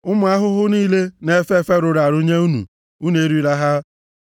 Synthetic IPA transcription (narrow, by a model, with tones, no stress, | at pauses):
ʊ˦mʊ˨a˦ɦʊ˦ɦʊ˦niː˦le˦ne˦fe˦fe˦ɾʊ˨ɾa˨ɾu˦ɲe˦u˦nṵ˨ | u˦ne˨˦ɾi˦ɾa˦ɦa˦